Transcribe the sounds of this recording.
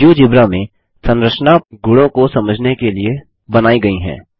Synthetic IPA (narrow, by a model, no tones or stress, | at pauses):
uːd͡ʒɪbɾamẽ | sɐ̃nɾəʃnaɡʊɽõkosɐməd͡ʒʱnekelie | bɐnaːiɡɐiɦɛ̰̃ː